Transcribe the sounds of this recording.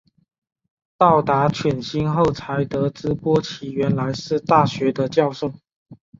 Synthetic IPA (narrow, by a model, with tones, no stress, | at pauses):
t̪ɑ˥˨˩ʊt̪a˧˥t͡ɕʰɥɛ˨˩nɕi˥nxo˥˩ʊt͡sʰa˨˥ɪt̪ɤ˧˥ʈ͡ʂɻ̩˥pwɔ˥t͡ɕʰi˨˧˥ɥɛ˨˧˥nla˧˥ɪʂɻ̩˥˧t̪a˥˨ɕɥɛ˧˥d̪ə˧t͡ɕjɑ˥˧ʊʂo˥˩ʊ